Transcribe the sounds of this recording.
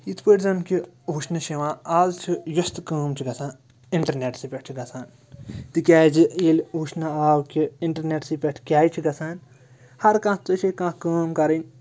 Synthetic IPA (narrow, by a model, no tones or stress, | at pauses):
it̪ʰfoɾeɡzãmpkiɦuʃnɐʃeʋãːaːzt͡ʃʰijɐst̪kəːmt͡ʃʰiɡɐsʰãːn | iɳʈɐɾneʈsipʲeʈ̚ʰt͡ʃʰiɡɐsʰaːn | t̪ɨkʲaːjd͡ʒielʲɦuʃnaaːwkiiɳʈɐɾneʈsipʲeʈʰkʲaːjt͡ʃʰiɡɐsʰaːn | hɐɾkãːt͡s̪ɨt͡ʃʰikãkɐːmkɐɾɐnʲ